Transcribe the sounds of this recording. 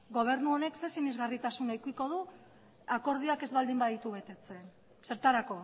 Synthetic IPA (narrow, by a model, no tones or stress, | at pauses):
ɡo̞β̞e̞ɾnuo̞ne̞kse̞sinizɣarit̪asunajkiko̞ð̞u | ako̞ɾð̞ioake̞zβald̪imbaðit̪uβe̞t̪e̞t͡se̞n | se̞ɾt̪aɾako̞